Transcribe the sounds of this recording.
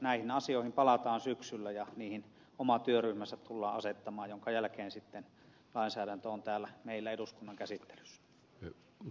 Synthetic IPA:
næˑihinɑsioˑihimpɑlɑt̪ɑːnsyksylːæjɑniːhin | omɑt̪yøryhmæsːæt̪t̪ulːɑːɑset̪ːɑmɑːjjoŋkɑjælkeːnsit̪ːen | lɑˑinsæːɾænt̪øont̪æːlːæmeˑilːæeduskunːɑŋkæsit̪ːe̥ly̥sːæ̥

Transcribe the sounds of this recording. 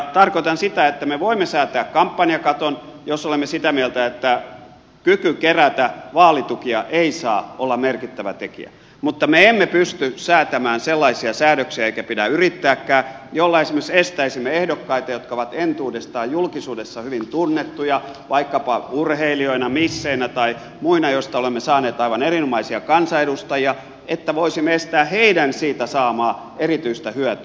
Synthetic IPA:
t̪ɑrkoit̪ɑnsit̪æet̪ːæmeʋoimːesæːt̪æːkkɑmpːɑniɑkɑt̪onjosolemːesit̪æmielt̪æet̪ːæ | kykykeræt̪æʋɑːlit̪ukiɑʔeisɑːʔolːɑmerkit̪ːæʋæ̰t̪ekḭæ̰ | mut̪ːɑmeemːepyst̪ysæːt̪æmæːnselːɑisiɑsæːɾøksiæeikæpidæyrit̪ːæːkːæːjolːɑesimeksest̪æisimːeehdokːɑit̪ɑjot̪kɑoʋɑt̪ent̪uːdest̪ɑːjjulkisuːdesːɑhyʋint̪unːet̪ːujɑ | ʋɑikːɑpɑurheilioinɑmisːeinæt̪ɑi | muinɑjost̪ɑolemːesɑːneːt̪ɑiʋɑnerinomɑisiɑkɑnsɑedust̪ɑjiɑ | ʔet̪ːæʋoisimːeest̪æːheidænsiːt̪æsɑːmɑː | erit̪yist̪æhyæt̪y

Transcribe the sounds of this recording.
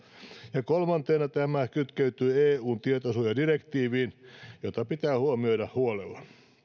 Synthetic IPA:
jɑkolmɑnt̪eːnɑt̪æmækyt̪køyt̪yːeːuːnt̪iet̪osuːjɑdirekt̪iːʋiːnjot̪ɑpit̪æːhuomioiɾɑhhuolḛlːɑn

